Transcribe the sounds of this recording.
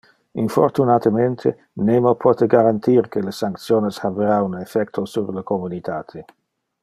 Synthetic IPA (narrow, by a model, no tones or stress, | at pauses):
info̰rt̪unat̪əment̪ʰḛ | nemopʰɔt̪eɡaɾant̪irkelesaŋkt̪sjoːneshabeɾaunefɛk̚t̪ʰosurləkomunit̪aːt̪ʰe